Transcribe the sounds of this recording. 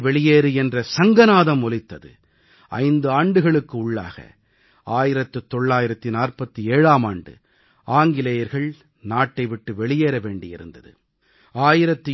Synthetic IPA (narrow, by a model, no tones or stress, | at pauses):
ʋɛɭɪjeːɾɯɛndrɐsɐŋɡɐnaːðɐmɔlɪt̪ːɐðɯ̰ | ɐ̰ɪnd̪ɯaːɳɖɯɣɐɭɯkːɯʊɭːa̰ːɣɐ̰ | aːjɪɾɐt̪ːɯt̪ːɔɭːaːjɪɾɐt̪ːinaːrpɐt̪ːieːɻaːmaːɳɖɯ̰ | aːŋɡɪlɐjɐɾɣɐɭ | naːʈːɐɪʋɪʈːɯʋɛɭɪjeːɾɐʋeːɳɖɪjɪ̰ɾɯ̰nd̪ɐðɯ̰ | aːjɪɾɐt̪ːɯ